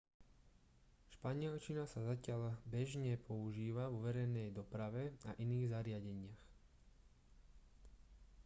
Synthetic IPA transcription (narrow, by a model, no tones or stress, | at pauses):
ʃpaɲɪɛlt͡ʃinasazacɪaʎbɛʒɲɛpʰɔuʒiːʋavɔʋɛɾɛjnɛjd̪ɔpɾaʋɛa̰ʔiniːɣzaɾɪaɟɛɲɪax